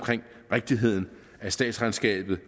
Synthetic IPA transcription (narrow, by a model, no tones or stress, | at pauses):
kʰʁeŋ̰ | ʁeɡ̥̚d̥iɦe̝ð̞̰ˠn̩ | æsd̥ɛ̰ːd̥sʁänsɡ̥ɛ̰ːb̥ð̞̩ˠ